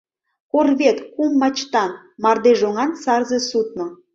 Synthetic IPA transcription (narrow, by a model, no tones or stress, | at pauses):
korβet̪kumːɑt͡ɕt̪ɑn | mɑrd̪eʒoŋɑnsɑrzesut̪̚no